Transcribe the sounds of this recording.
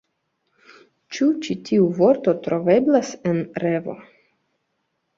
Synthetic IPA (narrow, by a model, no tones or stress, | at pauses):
t͡ʃut͡ʃitʰiuvo̞ɾt̪o̞t̪ɾo̞ve̞blasenɾe̞vo̞̰